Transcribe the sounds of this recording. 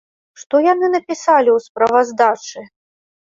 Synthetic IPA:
ʂt̪ɔjanɨnɐpʲisalʲiwspɾɐvɐzd̪at͡ʂɨ

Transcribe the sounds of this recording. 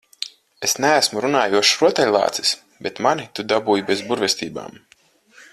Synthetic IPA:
esnæːsmuɾunaːjuɔʃɾuɔt̪ɛlʲlˠɑ̰ːt̪si̥s | bet̪manit̪ud̪abuːjbezbuɾvʲɛst̪iːba̰ːm

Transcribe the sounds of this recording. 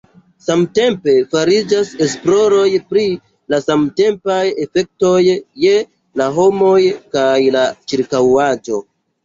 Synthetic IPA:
samte̞mpe̞faɾid͡ʒase̞splo̞ɾo̞jpɾi | lasamte̞mpaje̞fe̞k̚to̞jːe̞ | laɦo̞mo̞jkajlat͡ʃiɾkawad͡ʒo̞

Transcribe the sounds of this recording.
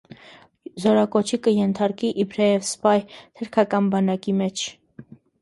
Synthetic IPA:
zɔɾɑkɔt͡ʃʰikəjɛnt̪ʰɑɾkiʔibʰɾɛɛvspɑjt̪ʰəɾkʰɑkɑnbɑnɑkimɛt͡ʃʰ

